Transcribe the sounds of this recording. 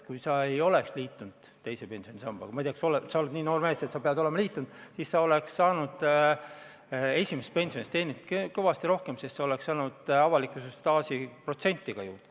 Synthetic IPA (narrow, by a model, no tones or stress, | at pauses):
kujsɑe̞jo̞le̞ksliːt̪ːˑund̪̥e̞jse̞pe̞nʲsijonʲisɑmb̥ɑ̰kɑmɑjt̪eɑksolesɑond̪niːno̞ːrmæːset̪sɑpeɑd̪o̞lemɑliːt̪ːˑund̪̥sisːɑo̞le̞ksːɑːnud̪̥ | e̞sʲimes̚pe̞nʲsio̞nʲist̪e̞ːnit̪kkɤ̞vɑst̪iɾo̞hke̞msest̪sɑole̞ksɑːnud̪̥ɑvɑlikːusestt̪ɑːsipro̞t̪se̞nʲt̪ːˑiɡ̥ɑjuːrd̪̥ɑ̥